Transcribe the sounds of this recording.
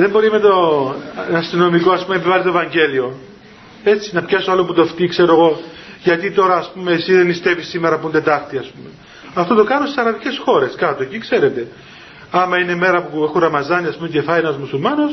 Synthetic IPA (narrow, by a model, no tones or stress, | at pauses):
ðe̞mbo̞ɾimet̪o | ɐst̪ino̞miko̞ɐspumeepivɐlit̪oevɐɲɟe̞lio̞ | e̞t͡sinɐpçɐsoaloput̪o̞ft̪ikse̞ɾoeɣo̞ | ʝɐt̪it̪o̞ɾɐːspume̞ːsiðenist̪e̞visːimeɾɐpund̪e̞t̪ɐxt̪iɐspume̞ | ɐft̪o̞t̪o̞kɐnosisɐɾɐvice̞sxo̞ɾe̞skɐt̪oecikse̞ɾe̞t̪e̞ | ɐmɐineme̞ɾɐpuexurɐmɐzɐniɐspumecefɐenɐzmusulmɐno̞s